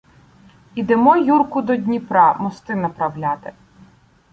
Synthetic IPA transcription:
id̪emɔjurkʊd̪ɔdʲnʲipɾɑmɔst̪ɪnɐpɾɐwlʲɑt̪e

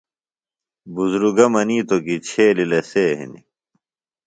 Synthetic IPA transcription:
buzɾuɡɐmɐniːt̪okit͡ɕʰeːlileseːɦḭnḭ

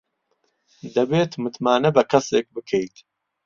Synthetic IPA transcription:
d̪ɐbeːt̪mɨt̪maːnɐbɐkʰɐseːk̚bɨkʰejt̪

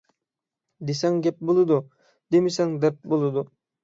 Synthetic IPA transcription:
d̪esɛŋɡʲɛp̚bolˠɨd̪u | d̪emɪsɛŋd̪ɛp̪̚bolˠɨd̪u

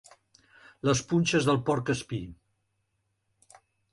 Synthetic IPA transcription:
ləspunʲt͡ʃəzðəlˠpɔɾkəspi

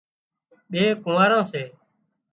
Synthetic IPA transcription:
ɓeːkʊ̃ːʋaːɾãːseː

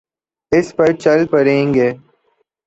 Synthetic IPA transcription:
ɪspəɾt͡ʃəlpəɾẽːŋɡeː

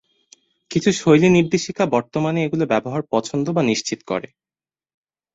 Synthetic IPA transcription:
kit͡ɕʰuʃojliniɾd̪eʃikabɔɾt̪omaneeɡulobɛboɦaɾpɔt͡ɕʰond̪obaniʃt͡ɕit̪kɔ̰ɾḛ

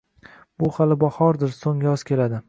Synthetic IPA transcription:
b̥ʊhalɪbɒhɒɾd̪ɪɾsoŋjɒz̥kʲʰe̞lad̪ɪ

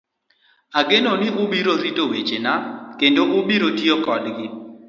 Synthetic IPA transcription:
aɡenonɪʊbiɾoɾitowet͡ʃenakendoʔʊbiɾotiokɔdɡɪ

